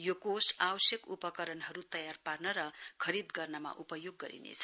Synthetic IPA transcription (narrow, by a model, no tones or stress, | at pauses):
jokosawʌsjʌkupʌkʌɾʌnɦʌɾut̪ʌjarparnʌɾʌkʰʌɾid̪ɡʌrnʌma̰ʔupʌjoɡːʌɾḭnḛt͡sʰʌ̥